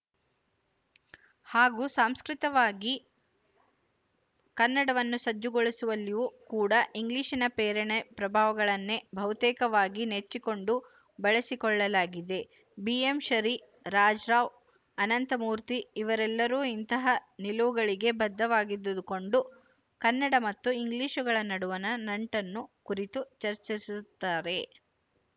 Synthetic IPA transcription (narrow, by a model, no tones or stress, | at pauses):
haːɡuːsaːmskɾit̪ɐʋaːɡi | kɐnːɐɽɐʋɐnːusɐd͡ʒːuɡoɭisuʋɐlːijuːkuːɽɐʔiŋɡliːʃinɐpɛːɾɐɳepɾɐbʱaːʋɐɡɐɭɐnːebʱɐʋt̪ɛːkɐʋaːɡinet͡ʃːiko̞ɳɖu | bɐɭesikɔɭːɐlaːɡid̪e̞ | biemʃɐɾi | ɾaːd͡ʒɾaːʋ | ɐnɐnt̪ɐmuːɾt̪iːʋɐɾɛlːɐɾuːint̪ɐɦɐnilɐʋuɡɐɭiɡe̞bɐd̪ːɐʋaːɡid̪ud̪uko̞ɳɖu | kɐnːɐɽɐmɐt̪ːuiŋɡliːʃuɡɐɭɐnɐɽuʋɐnɐnɐɳʈɐnːukuɾit̪ut͡ʃɐɾt͡ʃisut̪ːaːɾe̞